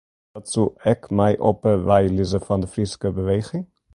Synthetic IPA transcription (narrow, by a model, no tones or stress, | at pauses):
tsuɛkmɛjʔo̰pəvɛjlizəfɑndəfriskəbəʋejχɪŋ